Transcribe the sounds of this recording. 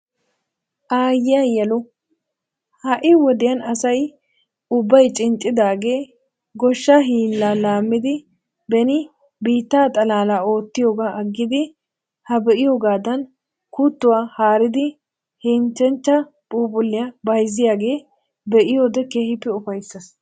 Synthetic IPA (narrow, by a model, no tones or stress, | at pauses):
ʔaːjɪjajɛlʊ | hɐʔɪwɔd̪ɪjɐnɐsɐj | ʊbːɐjt͡ʃʼɪnt͡ʃʼːɪd̪aːɡe̞ː | ɡɔʃːaɦiːlːaːlaːmːɪd̪ɪ | bɛnɪ | biːt̪ːaːt̪ʼɐlaːlaːo̞ːt̪ːɪjoːɡaːɐɡːɪd̪ɪ | hɐbɛʔɪjoːɡaːd̪ɐn | kut̪ːʊwaːhaːɾɪd̪ɪ | hɛnt͡ʃːɛnt͡ʃːɐ | pʼuːpʼʊlːɪjɐbɐjzɪjaːɡe̞ː | bɛʔɪjoːd̪ɛkeːhɪpːɛʊfɐjsːɐs